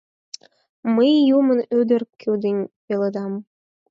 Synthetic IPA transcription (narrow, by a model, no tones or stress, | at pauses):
məjːumə̆nød̪ɘ̆rkʰyd̪enʲpelɤd̪ɑm